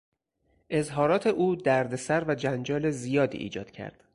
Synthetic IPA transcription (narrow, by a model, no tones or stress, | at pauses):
ʔe̞zɦɒːɾɒːt̪ʰe̞ʔuːd̪æɾd̪esæɾvæd͡ʒænd͡ʒɒːle̞zijɒːd̪ḭːʔḭːd͡ʒɒ̰ːd̪̥cʰæ̰ɾd̪̥